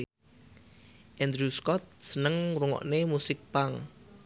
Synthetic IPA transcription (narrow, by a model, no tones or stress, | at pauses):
ʔɛnd̪ɾuskɔt̪̚sənəŋɾuŋɔ̰ʔnemusɪk̚paŋ